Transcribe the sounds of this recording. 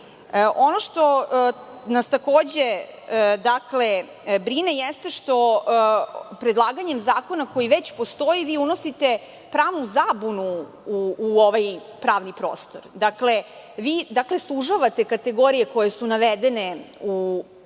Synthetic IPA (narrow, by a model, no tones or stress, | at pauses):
ʔo̞noʂt̪o̞ | nast̪akoːd͡ʑed̪akle̞ | bɾine̞jɛst̪e̞ʃt̪o̞ | pɾed̪lˠaːɡaɲemzaːko̞nako̞jiʋet͡ɕpo̞st̪o̞jiʋiːunosit̪e̞ | pɾaːʋnuzaːbunu | uːoʋaj | pɾaːʋnipɾoːst̪o̞ɾd̪akle | ʋiːd̪akle̞slˠuʒaʋat̪e̞kat̪e̞ɡo̞ɾije̞ko̞jesunaʋed̪eneu